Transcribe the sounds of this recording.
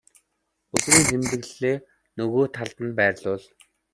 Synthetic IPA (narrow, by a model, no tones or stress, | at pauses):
ɵt͡sɾiːŋsʰemt̪ɘ̆ɣɮeː | nɵɣoːt̪ʰaɮt̪ə̆npæːrʲɮʊːɮ